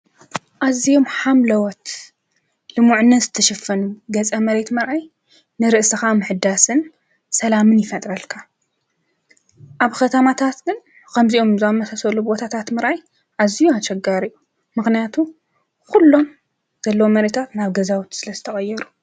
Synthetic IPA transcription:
ʔazːijo̞mħamlɐwɔt̪ | lɨmuʕnːɐzɨt̪ʰɐʃɐfːɐnuɡɐt͡sʼɐmɐɾe̞t̪mɐɾʔaj | nɨɾɨʔsɨxamɨħɨd̪asɨn | sɐlamɨnjɪfɐt̪ʼɾɐlkʰa | ʔaβkʰɐt̪ʰɐmat̪ʰat̪ɡɨn | kʰɐmziʔo̞mzamːɐsʰɐsɐlubbo̞t̪ʰat̪ʰat̪mɐɾʔaj | ʕazijuat͡ʃʼɐɡaɾiju | mɨxnijat̪ʰu | kulːo̞m | z̥ɐlːɐwomɐɾet̪ʰat̪naβɡɐzawt̪sɨlɐzɨt̪ʰɐχʼɐjːɛɾu

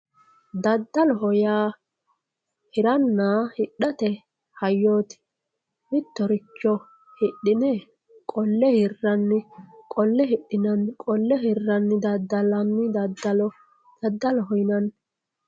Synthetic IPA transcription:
d̪ɐd̪ːɐlɔɦɔjaː | hɪɾɐnːaːhɪɗːɐt̪ɛ | hɐjːoːt̪ɪ̥ | mɪt̪ːɔɾɪt͡ʃːɔ | hɪɗːɪnɛ | kʼɔlːɛhɪrːɐnːɪkʼɔlːɛhɪɗːɪnɐnkʼɔlːɛhɪrːɐnːɪd̪ɐd̪ːɐlɐnːɪd̪ɐd̪ːɐlɔ | d̪̥ɐd̪ːɐlɔɦɔjnɐn

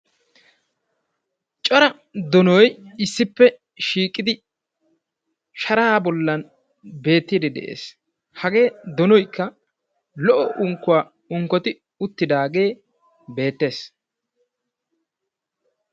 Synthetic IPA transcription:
t͡ʃʼɔɾɐ | d̪ɔnɔjɪsːɪpːɛ | ʃiːkʼːɪd̪ɪ | ʃɐɾabɔlːɐn | be̞ːt̪ːid̪ɛd̪ɛ̰ʔḛːs | hɐɡe̞ːd̪ɔnɔjkːɐ | lɔʔɔʔʊŋkːʊwaː | ʊŋkːɔt̪ɪ | ʊt̪ːɪd̪aːɡe̞ː | be̞ːt̪ːe̞ːs

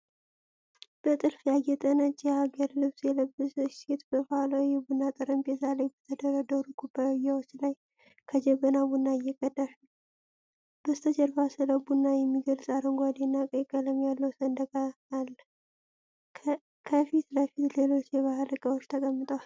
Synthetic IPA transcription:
b̥ət̪ʼɨlfjajɛt̪ʼənət͡ʃʼːjɛhaɡəɾlɨβsjɛləbːɨsɨt͡ʃet̪bəfalajɛbunːat̪ʼɨɾəmbɛzalajbət̪ʰəd̪əɾəd̪əɾuɡubajːawot͡ʃːlaj | kʰəd͡ʒɛβənabunːaɪjːɛkʼədaʃ | b̥əst̪ʰəd͡ʒəɾbasɨləbunːajɛmːiɡəlsʼaɾəŋɡʷad̪enːakʼəjkʼːələmjalːəwsənd̪əɡʼaːlː | kʰəfit̪ləfit̪lelo̞t͡ʃːjɛβahalɨɡʼawot͡ʃːt̪ʰəkʼəmːɨt̪ʼəwal

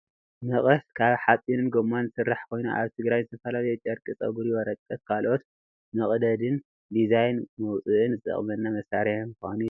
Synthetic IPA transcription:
mɨχʼɐskʰaβħatʼinɨnɡomːanɨsɨrːaħkʰo̞jnṵʔaβt̪ʰɨɡɾajzɨt̪ʰɐfɐlalɐjt͡ʃ̪ʼɐɾkʼɨt͡sʼɐ̰ɡuɾiwɔɾɐt̪ʼːɐk̚kʰalʔo̞t̪ | mɨχʼd̪ɐd̪ɨn | d̪izajnmɐwt͡sʼɨʔɨnzɨt̪ʼɐ̰χʼmɐnːamɐsaɾiħmani

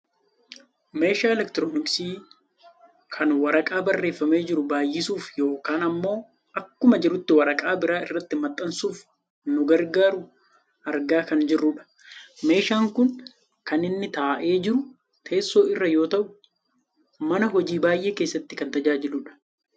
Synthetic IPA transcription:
me̞ːʃaːɛlɛkt̪ɪɾoːnɪksiː | kʰɐnwɐɾɐkʼaːbɐrːe̞ːfːɐme̞ːd͡ʒɪɾʊbaːjːɪsuːfjo̞ːkaːnɐmːo̞ː | ʔɐkːʊmɐd͡ʒɪɾʊt̪ːɪwɐɾɐkʼaːbɪɾaːɪrːɐt̪ːɪmɐt̪ʼːɐnsuːf | nʊɡɐɾɡaːɾʊ | ʔɐɾɡaːkɐnd͡ʒɪrːʊᶑɐ̥ | me̞ːʃaːŋkʊn | kɐnɪnːɪt̪aːʔe̞ːd͡ʒɪɾʊ | t̪ʰe̞ːsːo̞ːɪrːɐjo̞ːt̪ɐʔʊ | mɐnɐɦɔd͡ʒiːbaːjʔe̞ːke̞ːsːɐt̪ːɪkɐnt̪ɐd͡ʒaːd͡ʒɪluːᶑɐ̥

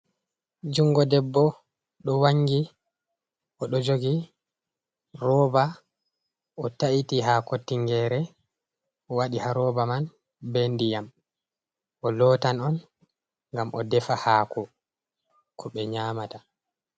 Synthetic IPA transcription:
d͡ʒuŋɡɔdɛbːɔ | ɗɔwaŋɡi | ʔɔɗɔd͡ʒoɡi | ɾɔːba | ʔɔtaʔitiɦakotːiŋɡɛːɾɛ | ɔwaɗihaɾɔːbaman | bɛndijam | ʔɔlɔːtanɔn | ŋɡamʔɔ̰dɛfahaːkɔ | kʰɔɓɛɲaːmata

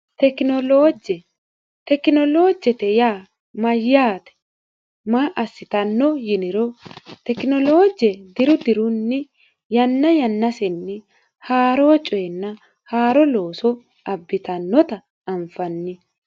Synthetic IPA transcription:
t̪ɛknɔlod͡ʒɛ | t̪ɛkɪnɔlo̞ːd͡ʒɛt̪ɛjaː | mɐjːaːt̪ɛ̥ | maːʔɐsːɪt̪ɐnːɔjɪnɪɾɔt̪ɛkɪnɔlo̞ːd͡ʒɛd̪ɪɾʊd̪ɪɾʊnːɪ | jɐnːɐjɐnːɐsɛnːɪ | haːɾoːt͡ʃʼɔjɛnːɐ | haːɾɔlo̞ːsɔ | ʔɐbːɪt̪ɐnːɔt̪ɐː | mfɐnːɪ

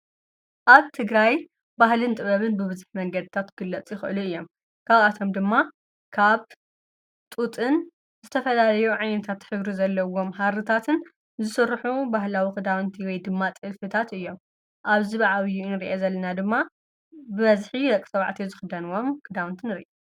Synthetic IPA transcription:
ʔaβt̪ʰɨɡɾaj | bahlɨnt̪ʼɨβɐβɨnbɨβɨzɨħmɐŋɡɐd̪ɨt̪ʰat̪ɡ̥ɨlːɐt͡sʼjɪxɨʔɨluɨjːo̞m | kʰaβat̪ʰo̞md̪ɨmːa | kʰaβ | t̪ʼut̪ʼɨn | zɨt̪ʰɐfɐlalɐjuʕajnɐt̪ʰat̪ħɨβɾizɐlːɐwo̞mhaɾɨt̪ʰat̪ʰɨn | zɨsɨrːħubaɦlawikʰɨd̪awnt̪ʰiwɔjd̪ɨmːat̪ʼɨlfɨt̪ʰat̪ɨjːo̞m | ʔaβziβʕawjunɨɾiʔezɐlːɐnad̪ɨmːa | bɨβɐzħiɾɐkʼisɐβʕt̪ʰizɨxɨd̪ɐnuwomkʰɨd̪awnt̪ʰinɨɾḭʔe

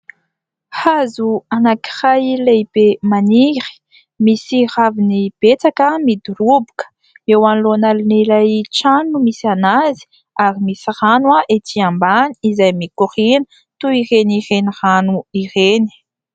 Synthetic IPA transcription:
hazuanaki̥rajlejb̥emaniɾi̥ | misiravinib̥et͡sakəmid̪uɾubu̥kə̥ | ewanlonalinelajt͡ʃanumisanazi̥ | aɾimisiranwaʔet̪ʰiambani̥izajmikuʁinə̥ | t̪uirenireniranuireni̥

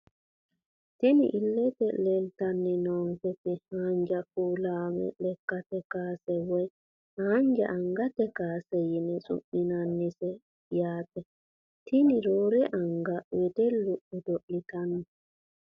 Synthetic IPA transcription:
tinḭʔilːɛtɛlɛltanːinɔŋkɛtihaɲd͡ʒakuːlaːmɛ̰lɛkːatɛkaːsɛwɔj | haːɲd͡ʒaʔaŋɡatɛkaːsɛjinɛsʼṵɓːinanːisɛ | jaːtɛ | tʰiniɾɔɾɛʔaŋɡawɛdɛlːuʔudoʔːitanːɛ

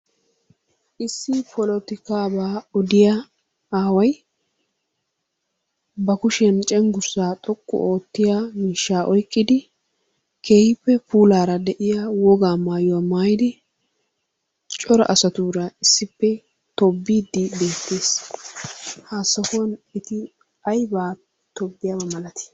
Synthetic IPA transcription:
ʔɪsːɪpʰɔlɔt̪ɪkaːbaːɔd̪ɪja | aːwɐj | bɐkʊʃɐnt͡ʃʼɛŋɡʊɾsaːt̪ʼɔkːɔ̰ʔoːt̪ːɪjaːmiːʃːaːʔɔjkʼːɪd̪ɪ | kʰeːhɪpːɛpuːlaːɾɐd̪ɛʔɪjawɔɡaːmaːjʊwaːmaːjɪd̪ɪ | t͡ʃʼɔɾɐ̰ʔɐsɐt̪uːɾɐɪsːɪpːɛ | t̪ɔbːiːd̪ːɪbe̞ːt̪ːeːs | haːsːɐkonɪt̪ɪ | ɐjbaː | t̪ɔbːɪjabɐmɐlɐt̪ɪ̥

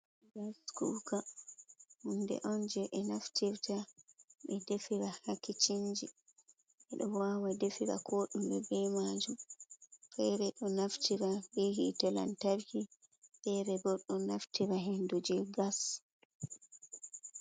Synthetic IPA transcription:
ɡaskuɡa | hundɛ̰ʔɔnd͡ʒɛʔɛnaftiɾtaɓɛdefiɾahakːit͡ʃind͡ʒi | ɛɗɔwawadefiɾa̰kʰɔːɗumbɛbɛjmad͡ʒumfɛɾɛɗɔnaftiɾabɛhitɔla̰ntaɾhi | fɛɾɛbɔɗɔnaftiɾaɦendud͡ʒɛɡas

